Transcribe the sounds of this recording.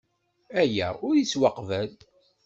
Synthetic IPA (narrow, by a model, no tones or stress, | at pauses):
æjæʊɾjiswɑqvæl